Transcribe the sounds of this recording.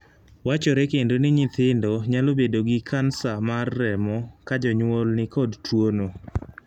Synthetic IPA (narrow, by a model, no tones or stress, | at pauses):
wat͡ʃɔɾɛkendonɪɲɪt̪ɪndɔɲalobedoɡɪkʰansamarːɛmɔkad͡ʒɔɲwolnɪkɔdtwono